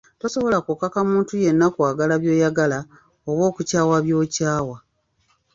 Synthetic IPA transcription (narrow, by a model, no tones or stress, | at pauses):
to̞so̞βo̞lakokakamuːntuje̞nːakwaːɡalaβjo̞ːjaɡala | oβwo̞ːkucaːwaβjo̞ːcaːwa